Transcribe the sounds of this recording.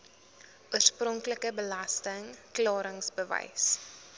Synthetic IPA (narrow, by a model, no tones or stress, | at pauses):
uərsprɔŋkləkəbəlastəŋklɑːɾəŋsbəvɛ̰js